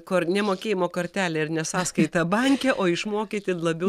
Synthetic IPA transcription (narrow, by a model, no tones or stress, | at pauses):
koːɾnʲɛmoːkʲeːjɪmoːkɐrʲt̪ʲæːlʲɛɪɾnʲɛsɑːskɐɪt̪ɐbɐŋʲkʲɛʔoːɪʃmoːkʲeːt̪ʲɪlˠɐbʲɛ